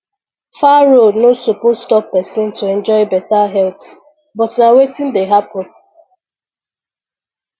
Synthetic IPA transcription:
faɹodnosopozstɔpːɛsɪ̃ntʰuɛ̃nd͡ʒɔɪbɛtaɦɛlt | bɔtnawetɪ̃ndeɦapɔ

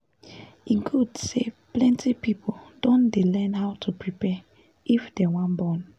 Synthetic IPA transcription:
ĩnkʰudseplɛ̃ntʰipipʰodõndelɛ̃nɦaʊtʰupɹipɛ | ʔifdɛwãnbɔ̃n

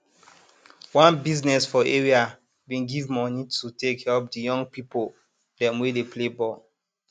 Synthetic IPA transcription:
wãnbiznɛsfɔeɹia | wĩnɡivmɔnitʰutekhɛlp̚dəjɔ̃ŋɡpipol | dɛ̃mwedepʰlebɔl

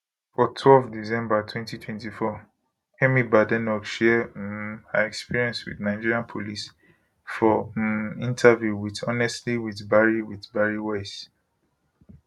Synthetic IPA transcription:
fɔtʰwɛlfdisɛ̃mbatʰwɛ̃ntitʰwɛ̃ntifɔ | hɛmibadɛnɔkʃɛ | a̰ɛkspiɹiɛ̃nswḭdnaɪd͡ʒiɹiãnpʰolis | fɔ | ĩntʰavjuwiθɔnɛstliwiθbaɹiwiθbaɹiwaɪs

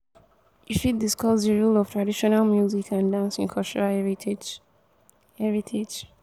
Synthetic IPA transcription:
ifit̚diskɔzðəɹulɔv̥tʰɹadiʃɔnalmjuzikãndãnsĩnkʰɔstɔɹaɹ | ɛɹitʰed͡ʒ

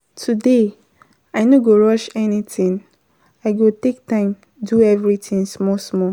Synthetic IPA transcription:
tʰude | aɪnoɡoɹɔʃɛnitĩŋ | aɪɡotek̚tãɪ̃m | duɛvɹitʰĩŋsmɔsmɔ

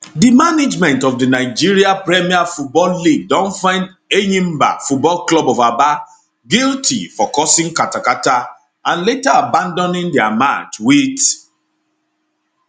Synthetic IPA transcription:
dimaned͡ʒmɛ̃ntɔfdinaɪd͡ʒiɹiapɹɛmiafut̚bɔlːiɡ̚dɔ̃nfãɪ̃nd | enĩmba̰fut̚bɔlklɔbɔvaba | ɡiltʰḭfɔkɔsĩŋkatakata | ãnletaabãndɔnĩndɛamat͡ʃwit

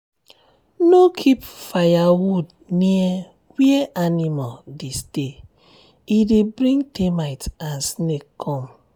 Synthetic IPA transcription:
nokʰipfajawud | nie | wieʔanimaldiste | idibɾĩŋtemaɪtansnekkʰɔm

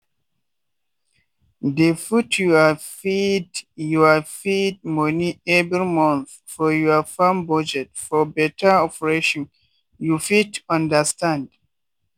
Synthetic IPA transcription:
defutʰjuafidjuafid̚mɔniɛvɹimɔ̃nθ | fɔjuafãmbɔd͡ʒɛtfɔbɛtʰaɔpɛɹeʃɔ̃n | jufitɔ̃ndəstãnd

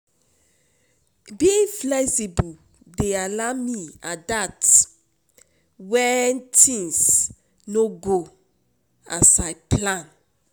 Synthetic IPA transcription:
biĩflɛksibu | dealamiadat | wɛntʰĩŋs | noɡo | a̰sajplãn

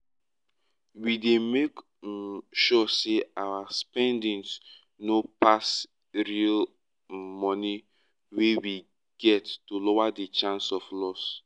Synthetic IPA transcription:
widemek | ʃɔseawaspɛ̃ndĩns | nopas | ɹil | mɔni | wewi | ɡ̥ɛtːulɔwadet͡ʃãnsɔflɔs

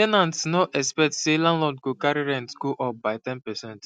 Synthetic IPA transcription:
ɛnãntsnɔʔɛkspɛk̚tselãnlɔdɡokaɾiɹɛ̃ntɡoʔɔp̚baɪtɛ̃npɛsɛ̃nt

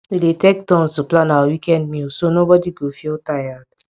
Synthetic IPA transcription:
wiletek̚tɔ̃nsuplãnawawikɛ̃ndmĩosonobɔdiɡofiotajad̚

